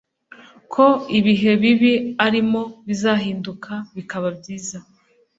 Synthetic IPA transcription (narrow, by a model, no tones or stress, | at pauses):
kʰo̞iβiɦe̞βiβiaɾimo̞βizaːɦiːndukʰaβikaβabɟiːza